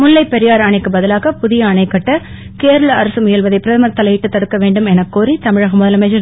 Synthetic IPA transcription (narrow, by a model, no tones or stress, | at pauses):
mʊlːɐɪpːɛɾɪjaːɾaːɳɐɪkːɯbɐðɐlaːɣɐpʊðɪjɐːɳɐɪkːɐʈːɐ | keːɾɐɭɐɐɾɐsɯmʊjɐlʋɐðɐɪpːɪɾɐðɐmɐɾt̪ːɐlɐjɪʈːɯt̪ːɐɽɯkːɐʋeːɳɖɯmɛnɐkːoːɾit̪ɐmɪɻɐɣɐmʊðɐlɐmɐɪd͡ʒɐ